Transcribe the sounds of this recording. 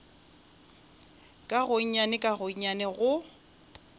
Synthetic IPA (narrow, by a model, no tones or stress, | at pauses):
kʼaɣʊɲ̩ɲanɪkʼaɣʊɲ̩ɲanɛɣʊ